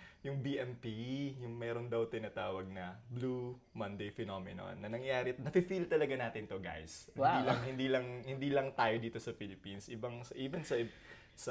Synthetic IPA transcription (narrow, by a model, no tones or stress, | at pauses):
jʊŋbiʔɛmpijʊŋmɛːɾo̞nd̪ɐwt̪ɪnaːt̪aːwɐɡ̚nɐblu | mɐnd̪ejfɛnomɪno̰nːɐnɐŋjaːɾɪnɐfɪfilt̪ɐlɐɡanaːt̪ɪnt̪o̞ɡa̰jsɪd̪iːlɐŋhɪnd̪iːlɐŋhɪnd̪iːlɐŋt̪aːjo̞d̪iːt̪o̞sɐfilɪpinsʔɪbɐŋsɐʔiːbɐnsɐ | sɐ